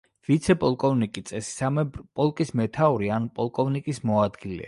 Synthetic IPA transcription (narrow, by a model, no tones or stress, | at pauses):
vit̪sʰɛpʼɔlˠkʼɔvnikʼit̪sʼɛsi̥sampʼɔlˠkʼismɛt̪ʰauɾianpʼɔlˠkʼɔvnikʼismɔad̪ɡilɛ̰